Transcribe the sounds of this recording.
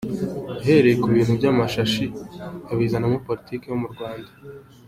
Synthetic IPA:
aɦe̞ɾe̞jekuβiːnhubɟaːmaʃaʃiaβizanamopo̞litiːkejo̞muɾɡwaːnda

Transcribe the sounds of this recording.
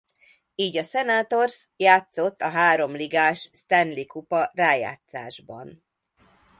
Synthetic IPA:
iːɟɒsɛnaːt̪o̞rs | jaːt̪so̞t̪ːɒɦaːɾo̞mliɡaːʃst̪ɛnlikupɒraːja̰ːt̪sa̰ːʒbɒ̰n

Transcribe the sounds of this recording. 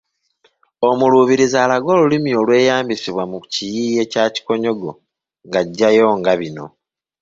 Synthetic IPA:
o̞muluβiɾizaːlaɡo̞ːlulimio̞lwe̞ːjaːmbisiβwamucijiːje̞ːcaːci̥ko̞ɲo̞ɡo̞ | ŋɡaɟːajo̞ːŋɡaβino̞̰

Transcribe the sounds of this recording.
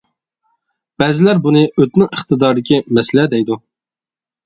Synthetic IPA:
b̥ɛzɪlæɾbunɨʔøt̪nɪŋəχt̪ʰɨd̪ɑɾd̪ɪkʲimɛsɪlɛd̪ɛjd̪u

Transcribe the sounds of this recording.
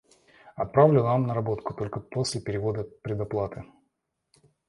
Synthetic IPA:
ɐt̪̚pɾavlʲɪamnəɾɐbo̞t̪kʊ̥t̪o̞lʲkəpo̞sʲlʲɪpʲɪɾʲɪvo̞d̪əpɾʲɪd̪ɐplˠat̪ɨ

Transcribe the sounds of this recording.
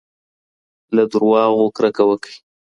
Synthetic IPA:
lad̪uɾwɑːɣokɾakawəkə̥j

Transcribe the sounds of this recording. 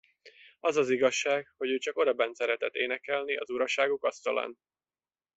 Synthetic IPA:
ɒzɒziɡɒʃːaːkho̞ɟøːt͡ʃɒko̞d̪ɒbɛnsɛɾɛt̪ɛt̪ːeːnɛkɛlniɒzuɾɒʃaːɡukɒst̪ɒla̰ːn

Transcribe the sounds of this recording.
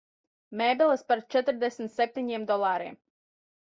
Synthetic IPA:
mɛːbʲilˠɨspaɾt͡ʃɛt̪ɾd̪esmʲt̪sep̚ʲt̪ʲiɲʲeːmd̪ɔlˠaːɾḭːm

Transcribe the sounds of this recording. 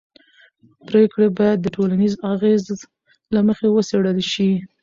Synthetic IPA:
pɾekɽebɑjad̪̚ːəʈolanizaɣez | laməxewəseɽəlʃi

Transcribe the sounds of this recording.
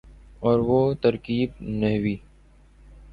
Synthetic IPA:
ɔːɾʋot̪ɐɾkiːb̚nɛɦwiː

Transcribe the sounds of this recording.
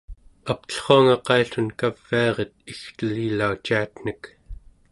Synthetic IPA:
ap̚t̪ə̥ɬχoaŋɑqɑiɬunkav̥ːiɑʁet̪̚ixt̪əlilːaut͡ʃiat̪n̥ək

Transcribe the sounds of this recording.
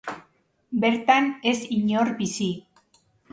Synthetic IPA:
be̞ɾt̪anesiɲoɾbisi

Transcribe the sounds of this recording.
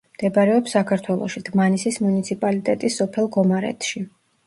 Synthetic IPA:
d̪̥ɛbaɾɛɔpsakʰaɾt̪ʰwɛlˠɔ̰ʃid̪̥manisismunit̪sʰipʼalit̪ʼɛt̪ʼisːɔpʰɛlˠɡɔmaɾɛ̰t̪ʰʃi

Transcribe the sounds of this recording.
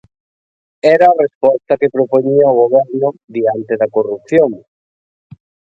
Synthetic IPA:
ɛɾaːrespɔst̪ɐkepɾopoɲiaoɣoβɛɾnʊðiant̪eðɐkorup̚θjoŋ

